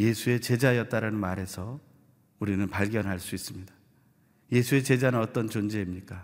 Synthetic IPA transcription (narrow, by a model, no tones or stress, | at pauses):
je̞sʰue̞t͡ɕe̞d͡ʑajʌt͈̚aɾanɯnmaɾe̞sʰʌ | uɾinɯnpaɭɡjʌnɦaɭs͈uis͈ɯmɲida | je̞sʰue̞t͡ɕe̞d͡ʑanɯnʌt͈ʌnt͡ɕond͡ʑeimɲik͈a